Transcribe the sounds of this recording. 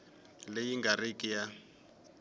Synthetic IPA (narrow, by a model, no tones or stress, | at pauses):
lejiŋɡarikʼija